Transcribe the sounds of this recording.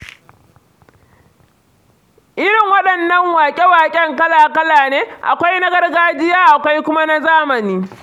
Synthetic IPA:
ʔɪ˦ɾɪ˨ŋwɐ˦ɗɐ˨nːɐ˦ŋwaː˨kʲʼe˦waː˨kʲʼɛ˦ŋkɐ˦laː˨kɐ˦laː˨neː˦ʔa̰˨kʷa˦jnɐ˦ɡɐ˦rɡaː˦d͡ʒɪ˦jaː˦ʔa˨kʷa˦jkʷʊ˦ma˦na˦zaː˦mɐ˨niː˦

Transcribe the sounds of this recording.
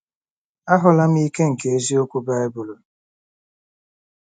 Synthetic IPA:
a˦ɦʊ˨la˦m̩˦i˦ke˦ŋ̩˨ke˨e˦zi˦o˦kʷu˦ba˦e˦bʊ˨lo˨

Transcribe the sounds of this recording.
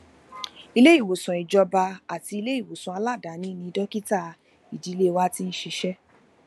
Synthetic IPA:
i˧le˦i˦˨wo˨sũ˨i˨d͡ʒɔ˧ba˧a˨ti˧i˧le˦i˦˨wo˨sũ˨a˧la˦˨da˨˦nĩ˦nĩ˧dɔ˦ki˦ta˦˨ | i˨di˨˦le˦wa˦ti˦n̩˦ʃi˧ʃɛ˦

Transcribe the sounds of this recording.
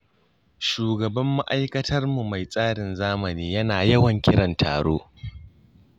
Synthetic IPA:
ʃuː˨ɡɐ˨bɐ˦mːa˦ʔa˦jkɐ˦tʰɐ˦rmu˨ma˨jsʼaː˦ɽɪ˨nzaː˦mɐ˨niː˦jɐ˦naː˨jɐ˦wɐ˨ŋkʲɪ˦ɽɐ˨ntʰa̰ː˨ɽo̰ː˦

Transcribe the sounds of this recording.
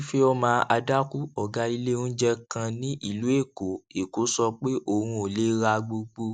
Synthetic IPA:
fe˦ɔ˧mãː˦˧ʔa˧da˦ku˦ɔ˨ɡa˧˦i˧le˦ũ˦d͡ʒɛ˦kã˧nĩ˦ʔi˦˨lu˨˦e˦˨ko˨e˨ko˨˦sɔ˧k͡pe˦ʔo˦˨hũ˧o˨le˨˦ɾa˧ɡ͡bo˧ɡ͡bo˧

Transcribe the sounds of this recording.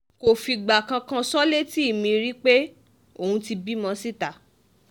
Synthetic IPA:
ko˨fi˧ɡ͡ba˨kã˧kã˧sɔ˦le˦ti˦i˦˨mĩ˧ɾi˦k͡pe˦ | o˦˨hũ˧ti˧bi˦mã˧si˦ta˨

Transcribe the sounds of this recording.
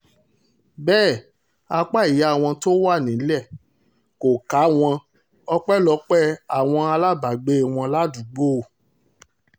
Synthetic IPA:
bɛː˦˨ | a˧k͡pa˦i˨ja˨˦˨w̃ɔ̃˧to˦wa˦˨nĩ˨˦lɛ˦˨ | ko˨ka˨˦w̃ɔ̃˧ | ɔ˧k͡pɛ˦lɔ˨˧˦k͡pɛ˦a˨w̃ɔ̃˧a˧la˦ba˨ɡ͡be˦˨w̃ɔ̃˧la˦du˨ɡ͡bo˦˨

